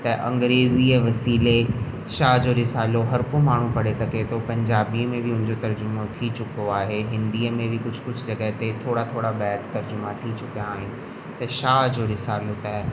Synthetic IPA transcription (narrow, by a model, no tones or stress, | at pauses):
t̪ɐʔɐ̰̃ŋɡɾeːziːʋɐsiːle | ʃaːɦd͡ʑoːɾɪsaːloɦɐɾkomaːɳ̤ũpɐɽesɐɡʱet̪ʰopɐ̃ɲd͡ʑaːbiəmẽbɪʊ̃nɪ̃ɲd͡ʑot̪ɐɾd͡ʑʊmot̪ʰit͡ɕʊkoaːɦeɦɪ̃nd̪iːəmẽbʱɪkʊd͡ʑʱʊ̥̆kʊd͡ʑʱʊd͡ʑɐɡəɦɪt̪et̪ʰoːɽat̪ʰoːɽabɛːkt̪ɐɾd͡ʑʊmat̪ʰit͡ɕʊkijaːɦɪnɪ̆ | t̪ɐʃaːɦd͡ʑoːɾɪsaːlot̪aːɦ